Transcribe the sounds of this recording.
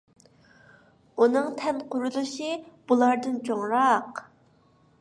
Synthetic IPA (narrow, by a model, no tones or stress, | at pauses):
unɨŋt̪ʰɛnqʰʊɾulˠɨʃib̥ulˠɑɾd̪ɨnt͡ʃʰoŋɾɑq